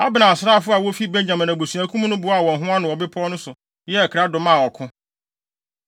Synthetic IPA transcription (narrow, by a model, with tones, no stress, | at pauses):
a˦bɪ˨nã˨sɾa˦˨fʊ˦a˨wo˦fi˦be˦ɲ˦ɲã˨mɪ̃˨næ̃˨bo˨su˨æ˨kʰũ˦m˦nʊ̃˦bʊ˨˦a˨wɔ̃˨nɦʊ̃˦a˦nʊ̃˨ɔ˨bɪ˦pʰɔ˦nʊ̃˦sʊ˨ | jɛ˦ɛ˨kʰɾa˦dʊ̃˨mã˦˨ɔ˨kʰʊ̃˦